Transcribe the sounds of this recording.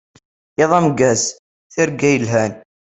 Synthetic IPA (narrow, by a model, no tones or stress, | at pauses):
eðˤɑmɡæs | θɪɾɡæjəlɦæn